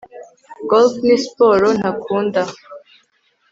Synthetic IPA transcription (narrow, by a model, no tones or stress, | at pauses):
ɡɔlfnispoɾonakʰuːnd̪a